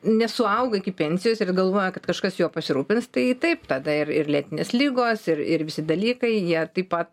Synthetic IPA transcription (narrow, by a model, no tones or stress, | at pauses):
nʲɛsʊɐʊɡɐɪkʲɪpʲɛnʲsʲɪjoːsɪrɡɐlˠʋoːjɛkɐt̪kɐʃkɐsjuɔpɐsʲɪɾuːpʲɪnst̪ɐɪt̪ɐɪpt̪ɐd̪ɐɪrɪrlʲiːt̪ʲɪnʲeːslʲiːɡoːsɪrɪ̰rʋʲɪsʲɪd̪ɐlʲiːkɐɪjiɛt̪ɐɪpɐt̪